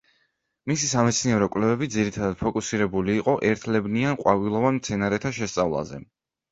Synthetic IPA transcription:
misisamɛt̪sʰniɛɾɔkʼwlɛvɛbitd̪ziɾit̪ʰad̪ad̪̥pʰɔkʼusiɾɛbuliːqʼɔʔɛɾt̪ʰlɛbnianqʼwavilˠɔvanmt̪sʰɛnaɾɛt̪ʰaʃɛst̪sʼavlˠa̰zɛ̰

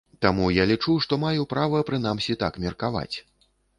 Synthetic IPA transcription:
t̪amujalʲit͡ʂuʂt̪ɔmajupɾavɐpɾɨn̪amsʲit̪akmʲɛrkava̰t͡sʲ

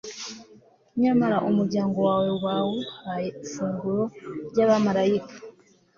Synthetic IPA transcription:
ɲamaɾaʔomuɾɟaːŋɡo̞wawe̞waːwoajefuːŋɡuɾoɟaːβamaɾajikḁ

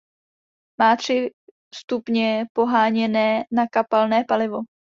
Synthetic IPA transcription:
maːt̪r̝̥ɪ | st̪upɲɛpo̞ɦaːɲɛnɛːnakapalnɛːpalɪvo̞

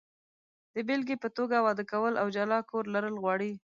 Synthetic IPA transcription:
d̪̥əbɪlɡepət̪oɡawɑd̪əkawəlʔawd͡ʒalɑkoɾlaɾəlɣwɑɽi

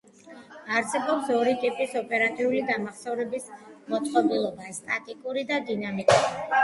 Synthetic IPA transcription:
aɾsɛbɔpsɔɾikʼipʼisɔpʼɛɾat̪ʼiulid̪amaχsɛvɾɛbismɔt̪sʼqʼɔbilˠɔbast̪ʼak̪ʼikʼuɾid̪ad̪inamikʼuɾi

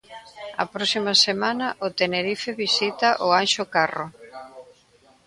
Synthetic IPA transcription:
ɐ̰pɾɔsimɐsemanɐʔʊt̪eneɾifeβisit̪ɐʔʊanʃokaro

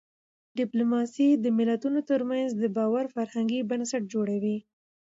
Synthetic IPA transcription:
ɖɪplumɑsid̪əmɪlat̪unot̪əɾmanzd̪əbɑwaɾfaɾhaŋɡibansaʈ̚d͡ʒoɽawi

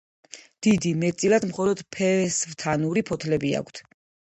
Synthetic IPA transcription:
d̪̥id̪imɛt̪sʼilad̪mχɔlɔd̪̥pʰɛsvt̪ʰanuɾipʰɔt̪ʰlɛbia̰kʷʰt̪ʰ

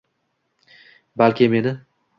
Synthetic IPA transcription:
balkʲʰɪme̞nɪ

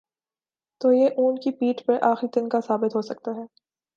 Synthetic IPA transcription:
t̪oːjeʔuːnkipiːʈpɐɾʔaːxit̪ɪnkasaːbɪt̪ɦoːsɐk̚t̪aɦɛː

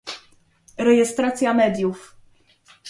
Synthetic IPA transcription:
ɾɛjɛst̪ɾat̪sʲjamɛd̪ʲjuf

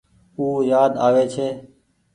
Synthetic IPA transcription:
uːjaːd̪aːʋeːt͡ʃʰeː

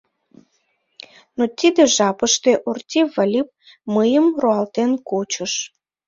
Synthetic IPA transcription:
not̪ʲid̪eʒɑpəʃt̪eʔort̪ʲivɑlʲip̚ | məjəmroɑlt̪enkot͡ɕəʃ

